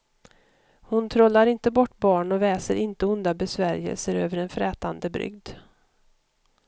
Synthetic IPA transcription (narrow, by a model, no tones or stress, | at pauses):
hʊnt̪ʰɾɔlːaɾɪnt̪əbɔʈːbɑːɳɔvɛːsəɾʔɪnt̪əʊnd̪abɛsvæɾɪjə̰lsəɾøːvəɾɛnfɾɛːt̪and̪əbɾʏ̰ɡd̪